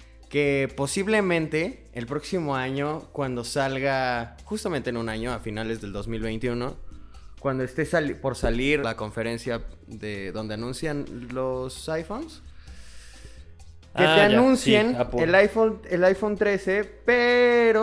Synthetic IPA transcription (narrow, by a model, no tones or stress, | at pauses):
kepo̞siβle̞mẽ̞nt̪e̞ː | lpɾo̞ksimo̞aɲo̞kwand̪osalɣaxust̪ament̪eenũnaɲo̞afinale̞zðeld̪o̞zmilβejnt̪juno̞ | kwand̪o̞est̪e̞salpo̞ɾsaliɾlako̞ɱfe̞ɾe̞nsja | ðeðo̞nd̪e̞anũnsjanlosajfons | et̪eanũnsjenelajfonelajfo̞nt̪ɾe̞se̞peɾo